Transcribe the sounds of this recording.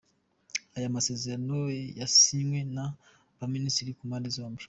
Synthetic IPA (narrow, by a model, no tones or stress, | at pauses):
ajamase̞ze̞ɾanojasiŋwena | βaministiɾikumandiziwaːm